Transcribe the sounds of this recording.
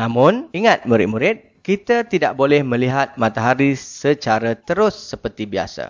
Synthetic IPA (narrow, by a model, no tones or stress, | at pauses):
nãmʊ̃niŋat̪̚muɾɪ̰t̪̚muɾɪt̪̚ | kit̪at̪idaʔbolɛhmə̃liɦat̪̚mãt̪aɦaɾisət͡ʃaɾat̪əɾʊsːəpərt̪ibia̰sa̰